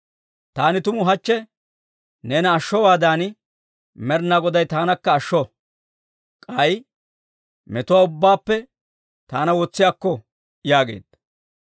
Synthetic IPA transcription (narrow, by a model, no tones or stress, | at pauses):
t̪aːnɪt̪ʊmʊɦɐt͡ʃːɛ | neːnɐːʃːɔwaːd̪aːnɪ | mɛɾnaɡɔd̪ɐjt̪aːnɐkːɐːʃːɔ | kʼɐj | mɛt̪ʊwaːʊbːaːpːɛ | t̪aːnɐwɔt͡sːɪjaːkːɔ | jaːɡe̞̰ːd̪̥ɐ